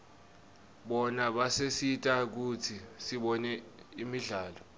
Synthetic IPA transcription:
ɓɔnaɓasesitʼak̬utʰisiɓɔnɛimiɮaːlɔ

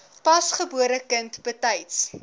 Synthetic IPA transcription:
pɐsχəbuəɾəkəntb̥ətɐjts

